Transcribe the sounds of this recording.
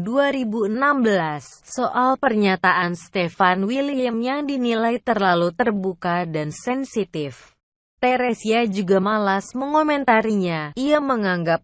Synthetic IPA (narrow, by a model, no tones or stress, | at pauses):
duaɾibuənambəlasːoʔalpərɲat̪aʔanst̪ɛfanwiliəmjaŋdinilajt̪ərlalut̪ərbukadansɛnsit̪ɪf | t̪ɛɾesiad͡ʒuɡamalasməŋkomɛnt̪aɾiɲaiaməŋaŋɡap̚